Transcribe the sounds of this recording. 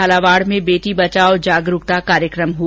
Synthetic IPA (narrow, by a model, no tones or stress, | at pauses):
alaʋaːɽmẽbeːʈ̪ibɐt͡ʃaːod͡ʒaːɡɾʊkt̪akaːɾjəkɾəmɦu